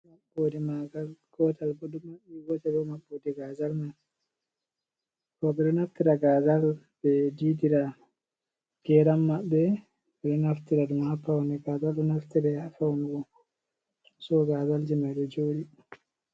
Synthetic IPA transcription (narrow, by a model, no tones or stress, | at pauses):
mabːoːdimaɡalɡ̥ɔtalbɔdumaɛɡɔtɛlɔmabːoːdiɡazalma | kɔɓɛɗɔnaftiɾaɡaːzal | bɛdidiɾa | ɡ̥ɛɾamːaɓːɛ | ɓɛɗɔnaftiɾadumhapːawnɛɡazalɗɔnaftiɾajafawnɡɔ | sɔɡazald͡ʒimajɗɔd͡ʒoːɗi